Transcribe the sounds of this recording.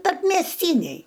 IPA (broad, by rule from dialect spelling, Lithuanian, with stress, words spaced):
tɐrʲpʲmʲiɛsʲˈtʲiːnʲɛɪ